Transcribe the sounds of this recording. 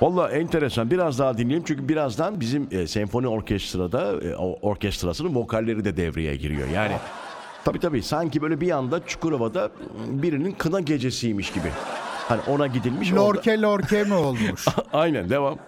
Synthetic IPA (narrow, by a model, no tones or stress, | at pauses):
valˠːaːʔɛnt̪ʰe̞ɾesanbiɾazd̪aːd̪inlʲejimt͡ʃyɲʲcʰybiɾazd̪anbizimːsɛɱfo̞nio̞ɾcʰɛst̪ɾad̪a̰oɾcɛst̪ɾasɯnɯnvo̞kʰalʲːe̞ɾid̪ɛd̪ɛ̰vɾejɛ̰ɟḭɾḭjo̰jaːnḭ | t̪ʰabiːt̪ʰabiːsaɲcibøjlʲɛbijand̪at͡ʃʰu̥kuɾavad̪abiɾininkʰɯnaɟe̞d͡ʒesijmiʃɟibɪ̰hanḭʔo̞naɟid̪ilʲmiʃoɾcʰɛlʲoɾcʰemiolˠmuʃajnænd̪evam